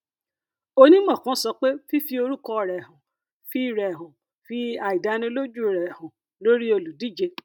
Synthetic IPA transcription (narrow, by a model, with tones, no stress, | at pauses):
o˦nĩ˦ɡ͡bã˦˨kã˨˦sɔ˧k͡pe˦fi˦fi˧˦o˧ɾu˦kɔ˧˨ɾɛ˨hũ˨ | fi˦i˦˨ɾɛ˨ɦũ˨ | fi˦a˨i˨da˨˦nĩ˧˦lo˦d͡ʒu˦˨ɾɛ˨hũ˨ | lo˦ɾi˦o˧lu˨di˦˨d͡ʒe˧